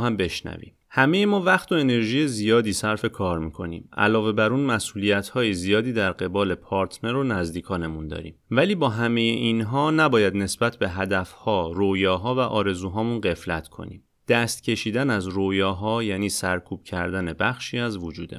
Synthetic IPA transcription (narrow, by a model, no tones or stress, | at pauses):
hæmbe̞ʃnæ̰vḭːm | hæme̞jemɒːvæχt̪ʰo̞e̞ne̞ɾʒiːjezijɒːd̪iːsæɾfe̞kʰɒːɾmiːkʰo̞nḭːmʔæ̰lɒːve̞bæɾuːnmæsʔuːlijæt̪ʰhɒːjezijɒːd̪iːd̪æɾɢe̞bɒːle̞pʰɒːɾt̪ʰne̞ɾonæzd̪iːkʰɒːne̞mund̪ɒ̰ːɾḭːmvæliːbɒːɦæme̞jeʔinɦɒːnæbɒːjæd̪ne̞sbæt̪ʰbe̞ɦæd̪æfhɒːɾojɒːɦɒːvæʔɒːɾe̞zuːɦɒːmunɢe̞flæt̪ʰkʰo̞̰nḭːm | d̪̥æst̪̚cʰe̞ʃiːd̪ænæzɾojɒːɦɒːjæːniːsæɾkʰuːb̥cʰæɾd̪æne̞bæxʃiːæzvod͡ʒuːd̪e